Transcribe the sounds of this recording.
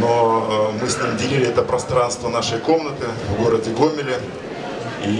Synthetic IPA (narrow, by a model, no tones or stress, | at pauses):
nomɨsʲnʲimʲdʲɪlʲilʲɪɛt̪əpɾɐst̪ɾanst̪vənaʂəjko̞mnət̪ɨvɡo̞ɾədʲɪɡo̞mʲɪlʲɪ | i